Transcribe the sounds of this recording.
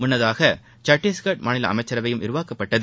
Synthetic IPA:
mʊnːɐðaːɣɐ | t͡ʃɐʈːiskɐʈ̚maːnɪlɐ̰ɐ̰mɐɪt͡ʃːɐɾɐʋɐjɯmɪɾɯʋaːkɐpːɐʈːɐðɯ

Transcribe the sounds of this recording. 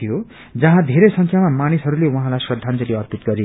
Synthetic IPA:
ijo | d͡zʌɦãd̪ʱeɾejsʌŋkʰjamamanisɦʌɾulewʌɦãlajsrʌd̪ʱːant͡sʌleʌrpit̪̚ɡʌɾi

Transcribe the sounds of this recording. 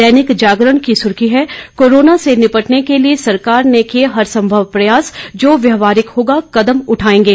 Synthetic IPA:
ɛːnɪkd͡ʒaːɡɾəɳkisʊɾkiɦɛkoːɾoːnasenɪpəʈnekeliesɐɾkaːɾnekeɦɐɾsɐ̃mbʱəʋpɾɐjaːsd͡ʒoːʋjɐɦʋaːɾɪkɦoːɡakɐd̪əmʊʈʰaːẽːŋɡeː

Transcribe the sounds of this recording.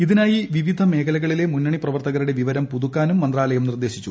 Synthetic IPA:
iðinaːjiʋiʋid̪ʱɐme̞ːkʰɐlɐɣɐɭile̞munːɐɳiprɐʋɐrt̪ɐɣɐɾuɽe̞ʋiʋɐɾɐmpuðukːaːnumːɐnd̪raːlɐjɐmnird̪e̞ːɕit͡ɕːu

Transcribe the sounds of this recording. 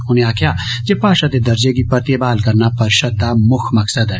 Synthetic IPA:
ʊnẽaːkʰja | d͡ʒeːpaːʃat̪ed̪ɐɾd͡ʒeɡipɐɾt̪ebaːlkɐɾnapɐɾʃɐd̪amʊkʰmɐksəd̪ɛ

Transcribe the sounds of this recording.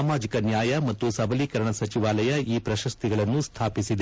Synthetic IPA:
maːd͡ʒikɐnjaːjɐmɐt̪ːusɐbɐliːkɐɾɐɳɐsɐt͡ʃiʋaːlɐjɐʔiːpɾɐʃɐst̪ʰiɡɐɭɐnːust̪ʰaːpisid̪e

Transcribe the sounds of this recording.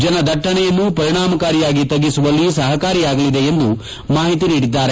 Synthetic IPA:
d͡ʒɐnɐd̪ʱɐʈːɐɳɛjɐnːupɐɾiɳaːmɐkaːɾijaːɡit̪ɐɡːisuʋɐlːisɐɦɐkaːɾijaːɡɐlid̪eend̪u | maːɦit̪̬iniːɽid̪ːaːɾe

